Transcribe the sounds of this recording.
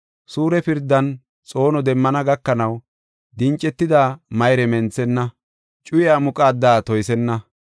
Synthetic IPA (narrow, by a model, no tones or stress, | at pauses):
suːɾɛpɪɾd̪ːɐn | t͡sʼo̞ːnɔd̪ɛmːɐnɐɡɐkːɐnɐw | d̪ɪnt͡ʃʼːɛt̪ːɪd̪aːmɐjɾɛmɛnt͡sːɛnːɐ | t͡ʃʼʊjɪaːmʊkʼaːd̪ːaːt̪ɔjsɛnːɐ